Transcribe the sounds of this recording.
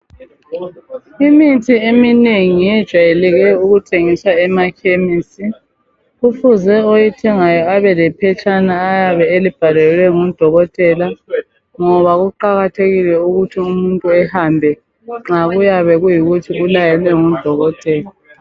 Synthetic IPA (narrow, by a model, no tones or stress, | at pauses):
imitʰiemineŋijɛd̥ʒ̥ʱwajelɛɣɛuɣutʰeŋiswaɛmakʰemiːsi | ɣufuzɛojitʰɛŋajɔaβɛlɛpʰɛt͡ʃʰʼanaːjaβɛelib̥ʱalɛlwɛŋɔd̥ʱɔɣɔtʼɛla | ŋɔβaɣuǃaɣatʰeɣilɛuɣutʰiumuntʼuɛhambʱɛ | ŋ͡ǁaɣujaβɛɣujiɣutʰiɣulajɛlwɛŋɔd̥ʱɔɣɔtʼɛːla